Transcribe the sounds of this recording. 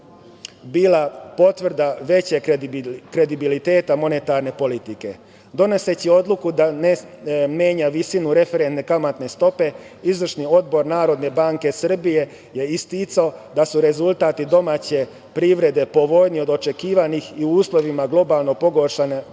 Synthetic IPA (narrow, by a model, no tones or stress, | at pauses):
biːlˠapo̞t̪ʋr̩d̪aʋe̞t͡ɕekɾe̞d̪ibilit̪e̞ːt̪amo̞ne̞t̪aɾne̞po̞lit̪ike̞̰ | d̪o̞ne̞se̞t͡ɕio̞d̪lukud̪ane | me̞ːɲaʋisinuɾe̞feɾe̞nt̪nekamat̪ne̞st̪o̞pe̞ | izʋr̩ʃnio̞d̪bo̞ɾnaːɾo̞d̪ne̞baːŋke̞sr̩bije̞ | je̞ist̪iːt̪saod̪asuɾe̞zulˠt̪aːt̪id̪o̞mat͡ɕe̞ | pɾiʋɾe̞d̪e̞po̞ʋo̞jnio̞d̪o̞t͡ʃe̞kiːʋanixiuuːslˠo̞ʋimaɡlˠo̞balˠno̞po̞ɡo̞ɾʃane